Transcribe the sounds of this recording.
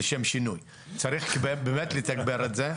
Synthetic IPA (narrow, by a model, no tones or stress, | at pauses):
eʃemʃinuj | t͡saɾiχkbebemet̪let̪aɡbeɾetze